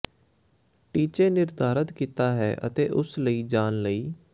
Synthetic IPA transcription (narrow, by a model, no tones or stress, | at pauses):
ʈiːt͡ʃẽːnɪɾd̪ʱaːɾət̪kit̪aːɦɛːʔə̰t̪eːʔʊsləiːd͡ʒaːnləiː